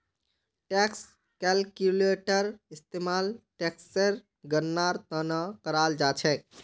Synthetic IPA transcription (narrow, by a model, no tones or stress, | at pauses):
ʈɛks | kɛlkjuleʈəɾist̪emalʈɛkseɾ | ɡənːaɾt̪ənəkəɾald͡ʒat͡ʃʰɛ